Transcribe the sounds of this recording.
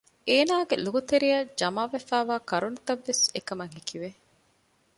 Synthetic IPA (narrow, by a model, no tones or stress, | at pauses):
ʔeːnaːɡeluɡut̪eɾijɐd͡ʒɐmaːʋefæːʋaːkɐɾunt̪ɐʋːesekɐmɐŋɦikiʋe